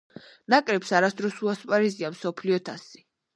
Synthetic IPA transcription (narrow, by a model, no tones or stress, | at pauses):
nakʼɾɛpsaɾasd̪ɾɔsuaspʼaɾiziamsɔpʰliɔt̪ʰasi̥